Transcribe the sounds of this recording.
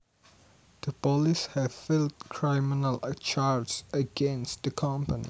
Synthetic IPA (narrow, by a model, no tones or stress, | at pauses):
d̥əpɔlishɛv̥fɪldkʰɹamɪnəlt͡ʃʰaɹd͡ʒsəɡɛ̃nst̚dəkʰʌ̃mpənḭ